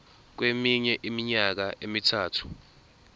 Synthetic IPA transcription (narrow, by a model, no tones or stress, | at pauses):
k̬wemiɲɛʔimiɲak̬aʔemitʰaːtʰu̥